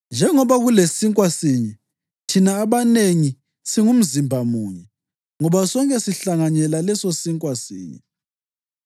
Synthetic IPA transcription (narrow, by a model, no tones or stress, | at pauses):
nd͡ʒʱɛŋɔβaɣulesiŋkʼwasiɲɛ | tʰinaːβaneŋi | siŋum̩zimbʱamuːɲɛ | ŋɔβasɔŋkʼɛsiɬaŋaɲɛlalɛsosiŋkʼwasḭːɲɛ̰